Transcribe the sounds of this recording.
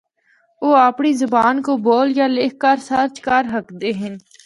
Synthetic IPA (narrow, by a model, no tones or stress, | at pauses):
oːaːpɳizʊbaːnkoboːljaleːkʰkəɾsɐɾt͡ʃkaɾɦəkd̪eːɦɪn